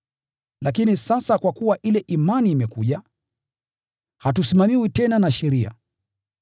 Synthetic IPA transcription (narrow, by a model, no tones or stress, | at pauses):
lakinisasakwakuwaʔilɛʔimaniːmɛkuʄa | hatusimamiwitɛnanaʃɛɾia̰